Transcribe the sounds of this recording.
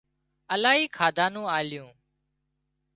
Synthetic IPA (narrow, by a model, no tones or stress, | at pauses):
əlaːɦiːkʰaːd̪ʱãːnũːaːlɪjũː